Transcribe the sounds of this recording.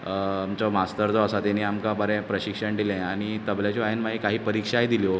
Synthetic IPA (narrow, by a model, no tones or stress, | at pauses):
amt͡ɕɔmast̪əɾd͡zɔasat̪ɛniːamkabəɾɛ̃pɾəɕikʂəɳɖ̪ilɛ̃aɽ̃it̪əbljat͡ɕɔaenmaɦiːkaɦiːpəɾikʂajd̪iljɔ